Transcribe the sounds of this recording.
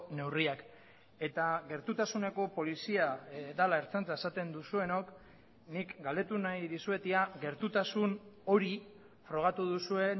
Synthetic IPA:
ne̞wriak | e̞t̪aɡe̞ɾt̪ut̪asune̞ko̞po̞lisiad̪alaeɾt͡sant͡saesat̪e̞nd̪usue̞no̞k | nikɡald̪e̞t̪unajðisue̞t̪iaɡe̞ɾt̪ut̪asuno̞ɾi | fɾo̞ɣ̞at̪uðusue̞n

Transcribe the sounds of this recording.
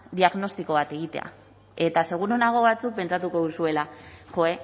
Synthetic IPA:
d̪iaɣno̞st̪iko̞βat̪e̞ɣ̞it̪e̞̰a̰ | e̞t̪ase̞ɣ̞uɾonaɣ̞o̞βat͡suk̚pe̞nt͡sat̪uko̞ðusue̞laʝo̞e̞

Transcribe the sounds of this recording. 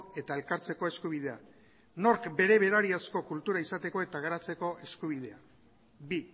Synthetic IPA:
e̞t̪ae̞lkaɾt͡se̞ko̞e̞skuβ̞ið̞e̞a | no̞ɾkbe̞ɾe̞βe̞ɾaɾiasko̞kult̪uɾaisat̪e̞ko̞e̞t̪aɣ̞aɾat͡se̞ko̞ʔe̞skuβ̞ið̞e̞a | bi

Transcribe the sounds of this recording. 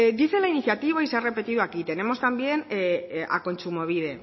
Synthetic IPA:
ɡ̪iθe̞lainiθjat̪iβaisere̞pe̞t̪iðuakit̪e̞ne̞mo̞st̪ambje̞na̰ko̞nt͡ʃumo̞β̞ið̞e̞

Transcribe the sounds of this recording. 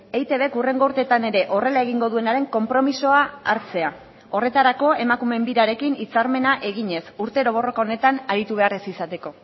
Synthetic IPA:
ejt̪e̞βe̞kure̞ŋɡo̞uɾt̪e̞t̪ane̞ɾe̞ʔo̞re̞lae̞ɣiŋɡo̞ðue̞naɾe̞ŋko̞mpɾo̞miso̞aaɾt͡se̞a | o̞re̞t̪aɾako̞e̞makume̞mbiɾaɾe̞kinit͡saɾme̞naʔe̞ɣiɲe̞suɾt̪e̞ɾo̞β̞o̞ro̞kao̞ne̞t̪anaɾit̪uβe̞aresisat̪e̞ko̞

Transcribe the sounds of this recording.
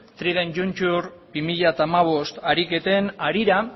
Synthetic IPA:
t̪ɾiðend͡ʒunt͡ʃuɾbimiʎat̪aːmaβ̞o̞st̪aɾike̞t̪e̞naɾiɾa

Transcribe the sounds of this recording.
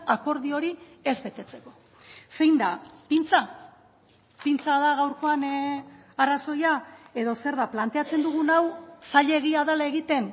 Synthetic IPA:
ako̞ɾðio̞ɾi | e̞zβe̞t̪e̞t͡se̞ko̞̥ | se̞jnd̪apint͡sa | pint͡saðaɣawɾko̞an | araso̞jae̞ðo̞se̞ɾðaplant̪eat͡se̞nd̪uɣ̞unawsaʎe̞ɣ̞iaðalae̞ɣit̪e̞n

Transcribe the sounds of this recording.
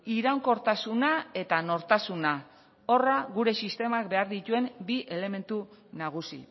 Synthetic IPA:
iɾaŋko̞ɾt̪asunae̞t̪ano̞ɾt̪asuna | o̞raɣuɾe̞sist̪e̞mak̚be̞aɾðit̪ue̞mbiʔe̞le̞me̞nt̪unaɣ̞usḭ

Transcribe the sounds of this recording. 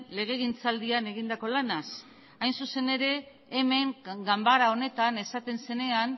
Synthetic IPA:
le̞ɣ̞e̞ɣint͡sald̪iane̞ɣind̪ako̞lanas | ajnsuse̞ne̞ɾe̞ː | me̞ŋɡambaɾao̞ne̞t̪ane̞sat̪e̞nse̞ne̞an

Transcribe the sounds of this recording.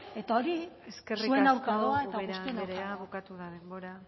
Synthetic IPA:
e̞t̪aoɾieskeriuenawɾkaðoaet̪aɣust̪uenwkaβukat̪uðaðemboɾa

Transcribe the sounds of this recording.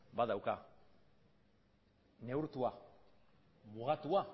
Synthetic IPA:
baðawka | ne̞uɾt̪ua | muɣat̪ua

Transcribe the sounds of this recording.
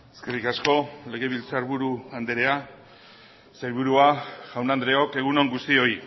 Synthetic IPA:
eskerikasko̞le̞ɣ̞e̞βilt͡saɾβuɾuand̪eɾe̞a | sajɾβuɾuaʝ̥awnand̪ɾe̞o̞ke̞ɣ̞uno̞ŋɡust̪io̞i

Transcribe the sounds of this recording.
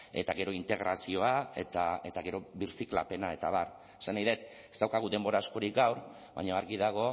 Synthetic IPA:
e̞t̪aɣe̞ɾo̞int̪e̞ɣ̞ɾʔasio̞ae̞t̪ae̞t̪aɣe̞ɾo̞βiɾsikla̰pe̞nae̞t̪aβar | sanaiðet̪ | est̪awkaɣ̞uðe̞mbo̞ɾasko̞ɾik̚ɡawɾ | βa̰ɲoaɾɣiðaɣ̞o̞

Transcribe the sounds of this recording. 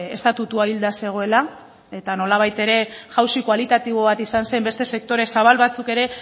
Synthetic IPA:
e̞st̪at̪ut̪uaild̪ase̞ɣ̞o̞e̞la | e̞t̪ano̞laβ̞ajt̪e̞ɾe̞ʝawsikwalit̪at̪iβo̞βat̪isansambe̞st̪e̞se̞k̚t̪o̞ɾe̞saβ̞alβat͡suke̞ɾe̞

